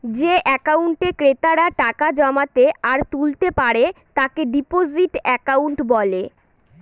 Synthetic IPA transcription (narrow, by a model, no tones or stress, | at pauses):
d͡ʑeʔɛkauɳʈekɾet̪aɾaʈakad͡ʑɔmat̪eaɾt̪ult̪epaɾet̪akeɖipod͡ʑiʈɛkauɳʈbɔle